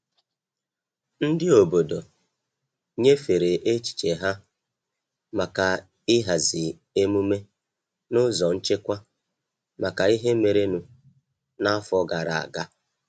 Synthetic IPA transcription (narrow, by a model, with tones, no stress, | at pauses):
n̩˦dɪ˦o˨bo˨do˨ | ɲe˦fe˨ɾe˨ʔe˦t͡ʃi̥˨t͡ʃe˨ɦa˦ | ma˨ka˨ | ɪ˦ɦa˨zɪ˨ | e˦mu˦me˦ | nʊ˦zɔ˨n̩˦t͡ʃe˦kʷa˦ | ma˨ka˨i˦ɦe˦me˨ɾe˦nu˨ | na˦a˦fɔ˦ɡa˨ɾa˨a̰˨ɡa˦